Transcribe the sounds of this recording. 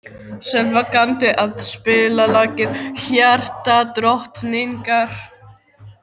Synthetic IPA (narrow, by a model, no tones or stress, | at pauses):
sɛlvakant̪ɪʔaðspɪːlalaːcɪnçjar̥t̪at̪ɾɔht̪nɪŋkaɾ̥